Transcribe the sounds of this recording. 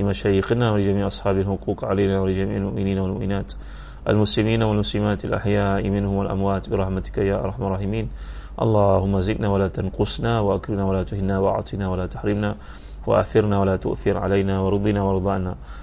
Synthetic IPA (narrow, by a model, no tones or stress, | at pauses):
ɪmaʃajiqnawalɪd͡ʒamiːʕʔɑsˤħɑːbalhʊquːqʕalajnawalɪd͡ʒamiːʕɪlmʊʔmɪniːnawalmʊʔmɪnaːt̪ | ʔa̰lmʊslɪmiːnawalmʊslɪmaːt̪alʔa̰ħjaːʔɪmɪnhʊmalʔa̰mwaːt̪bɪɾˤɑħmat̪ɪ̥kajaːʔɑ̰ɾˤħmrˤːɑːħɪmiːnʔɑ̰lˤːɑːhʊmːazɪʔnawalaːt̪anqʊsˤnawaʔakɾɪmnawalaːt̪ʊhɪnːawaʔa̰ʕt̪ˤinawalaːt̪ḁħɾɪmna | wa̰ʔa̰ʔθɪɾnawalat̪ʊ̰ʔθɪɾʕa̰lajnawɑɾɨd̪ˤːinawɑɾɨd̪ˤɑːʔna